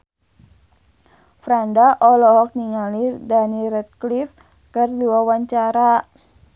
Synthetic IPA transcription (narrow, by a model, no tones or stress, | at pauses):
fɾandaʔɔlɔɦɔk̚niŋalidaniɾɛt̪̚klif | kərduawaɲt͡ʃaɾa